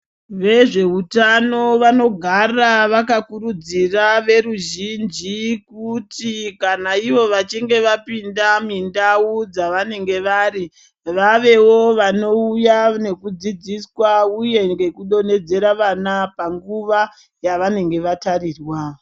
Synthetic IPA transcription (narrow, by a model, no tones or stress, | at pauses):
ʋe̞ʐe̞utano̞ʋano̞ɡʱaraʋakakuɾud͡ziraʋe̞ɾuʒind͡ʒikutikanaiʋo̞ʋat͡ʃiŋɡe̞ʋapindamindaud͡zaʋane̞ŋɡe̞ʋari | ʋaʋe̞wo̞ʋano̞ujane̞kud͡zid͡ziswauje̞ŋɡe̞kuɗo̞ne̞d͡ze̞ɾaʋanapaŋɡuʋa | jaʋane̞ŋɡe̞ʋatariːrwa